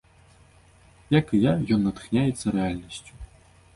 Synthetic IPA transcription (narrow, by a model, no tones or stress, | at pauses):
jakɨjajɔnːɐt̪ɨ̥xnʲajɛt̪sːɐɾɛalʲnɐsʲt͡sʲu̥